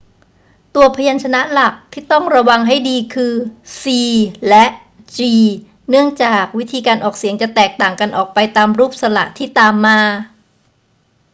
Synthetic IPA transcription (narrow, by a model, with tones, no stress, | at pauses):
t̪u˧ɐpʰa˧ja˧nt͡ɕʰa˧na˦˥ʔla˨˩k̚t̪ʰiː˥˩t̪ɔ˥˩ŋɾa˧wa˧ŋɦa˥˩jdiː˧kʰɯː˧siː˧lɛ˦˥ʔ | t͡ɕiː˧ | nɯ˥˩əŋt͡ɕaː˨˩k̚wi˦˥t̪ʰiː˧kaː˧nʔɔː˨˩k̚si˨˩˦əŋt͡ɕa˨˩t̪ɛː˨˩k̚t̪aː˨˩ŋka˧nʔɔː˨˩k̚pa˧jt̪aː˧mɾuː˥˩p̚sa˧la̰˨˩ʔt̪ʰiː˥˩t̪aː˧mːaː˧